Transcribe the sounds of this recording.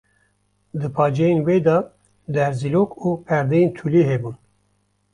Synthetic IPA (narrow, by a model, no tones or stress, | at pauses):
d̪ɨpʰɑːd͡ʒɛjenweːd̪ɑ | d̪ɛɾziloːkupʰɛɾd̪ejent̪ʰuliɦɛbun